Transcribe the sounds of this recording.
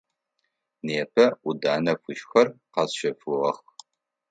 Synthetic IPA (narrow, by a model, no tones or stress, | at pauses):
neːpʰɐʔʷʊdaːnɐfʷʊʃxɐrqɑsʃɐfɨʁɐx